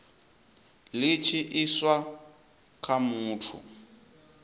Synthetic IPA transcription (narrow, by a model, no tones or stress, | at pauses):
lɪt͡ʃʰiʔɪswa | kʰʼamuːtʰṵ